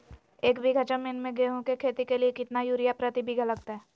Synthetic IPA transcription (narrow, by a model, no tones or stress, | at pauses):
eːkbʱiɡʱɐt͡ʃəmmɪnmẽɡeːɦõkekʰeːt̪ikeliekɪt̪najuːɾijapɾət̪ibʱiɡʱələkt̪ɦɛː